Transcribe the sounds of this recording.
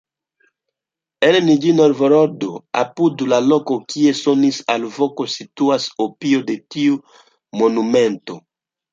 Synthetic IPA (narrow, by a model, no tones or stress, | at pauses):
elenid͡ʒinoɾvoɾoɾd̪oa̰pud̪ulalokokiesonisa̰lvokosit̪uasopiod̪et̪iu | monumẽnt̪o